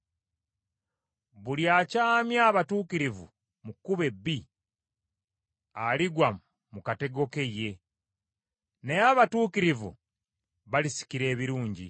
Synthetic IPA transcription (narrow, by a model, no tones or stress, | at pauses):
βuljacaːmjaːβatuːkiɾivṵ | mukːuβe̞bːi | aliɡwa | mukate̞ɡo̞ke̞je̞ | nejaβatuːkiɾivṵ | βalisi̥kiɾe̞ːβiɾuːɲɟḭ